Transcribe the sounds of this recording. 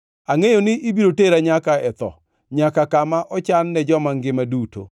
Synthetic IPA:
aŋejonɪʔibiɾoteɾaɲakaɛt̪ɔ̰ | ɲakakamaʔɔt͡ʃanːɛd͡ʒɔmaŋɡɪmaduto̰

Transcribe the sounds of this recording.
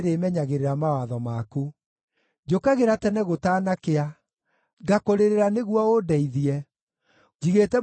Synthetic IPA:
ɾemɛɲaɣeɾeɾamawaðɔmaku | d͡ʒokaɣeɾatɛnɛɣotaːnakea | ɡakoɾeɾeɾaneɣuɔodɛiðiɛ | iɣetɛ

